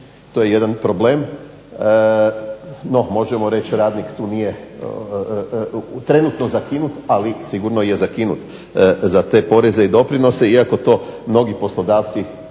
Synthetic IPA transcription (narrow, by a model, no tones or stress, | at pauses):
t̪oːje̞je̞d̪anpɾo̞ble̞ːm | no̞mo̞ʒe̞mo̞ɾe̞t͡ɕɾaːd̪nikt̪uːnije̞ | t̪ɾe̞nut̪no̞zakinut̪alisiɡuɾno̞je̞zakinṵt̪ | zat̪e̞ːpo̞ɾe̞zeid̪o̞pɾino̞se̞iako̞t̪o̞ːmno̞ɡipo̞slo̞d̪aːʋt̪si